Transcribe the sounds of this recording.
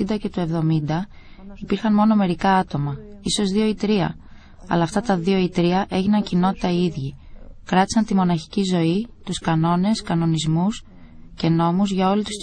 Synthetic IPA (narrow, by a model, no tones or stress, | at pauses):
ind̪ɐce̞t̪ue̞vðo̞mind̪ɐ | ipiɾxɐnmo̞no̞me̞ɾikɐɐt̪o̞mɐiso̞zðio̞it̪ɾiɐ̰ | ɐ̰lɐːft̪ɐt̪ɐðio̞it̪ɾiɐʔe̞ʝinɐncino̞t̪i̥t̪ɐiðʝikɾɐt̪i̥sɐnt̪imo̞nɐçi̥cizo̞it̪uskɐno̞ne̞skɐno̞nizmus | ce̞no̞muzʝɐo̞lit̪u̥s